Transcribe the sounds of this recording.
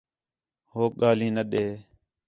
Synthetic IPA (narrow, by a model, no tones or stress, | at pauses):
hoːk̚ɠaːlĩːnəɗeː